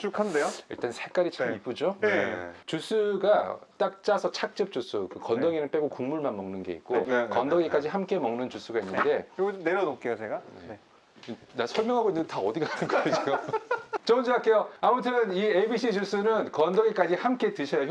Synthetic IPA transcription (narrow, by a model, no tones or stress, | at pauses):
t͡ɕukʰandejoḭɭt͈ansʰek͈aɾit͡ɕamip͈̚ud͡ʑoeet͡ɕus͈ʰuɡat͈ak̚t͡ɕ͈asʰʌt͡ɕʰak̚t͡ɕ͈ɯp̚t͡ɕ͈us͈ʰukɯkʌndʌɡinɯnp͈e̞ɡokuŋmuɭmanmʌŋnɯnɡe̞̰ḭk̚k͈okʌndʌɡik͈ad͡ʑihamk͈e̞mʌŋnɯnt͡ɕus͈ʰuɡainnːɯnde̞ɡoneɾʌnok͈ejot͡ɕeɡanḛe | dasʰʌɭmjʌŋɦaɡoinːɯndetaʌdiɡanɯnɡʌt͡ɕiɡot͡ɕʌɯnd͡ʑiak͈e̞joamutʰɯniebiɕʰid͡ʑus͈ʰunɯnkʌndʌɡik͈ad͡ʑihamk͈e̞tɯɕʰʌjo